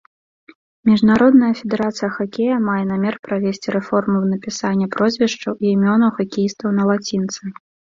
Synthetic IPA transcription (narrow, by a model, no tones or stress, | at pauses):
mʲiʐnaɾɔd̪nɐjɐfʲɛd̪ɛɾat̪sɨjɐxakʲejɐmajɛnamʲɛrpɾavʲesʲt͡sʲiɾɛfɔrmuwnɐpʲisanʲːɐpɾɔzʲvʲiʂt͡ʂɐwiimʲɔnɐwxakʲijist̪vɐwnɐlˠat͡sʲint̪sɨ